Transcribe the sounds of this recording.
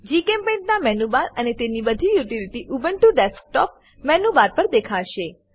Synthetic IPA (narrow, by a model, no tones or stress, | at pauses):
d͡ʒikempẽʈnamɛnubaɾənet̪enibəd̪ʱijuʈiliʈiʔubəɳʈuɖɛsk̚ʈɔp | mɛnuʋaɾpəɾd̪ekʰaʃe